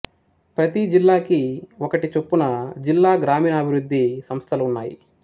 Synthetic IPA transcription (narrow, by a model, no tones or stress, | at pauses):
pɾɐt̪id͡ʒilːaːkiɔkɐʈit͡ʃepːunɐd͡ʒilːaːɡɾaːmiːnɐːbʱiɾud̪ʱːisɐmst̪ʰɐluunːaːjḭ